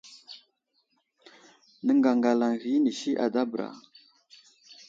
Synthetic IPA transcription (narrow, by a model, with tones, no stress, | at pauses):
nə˨ŋɡa˨ŋɡa˨la˨ŋɣi˦ni˨ʃi˦ʔa˨da˦bə˨ɾa̰˨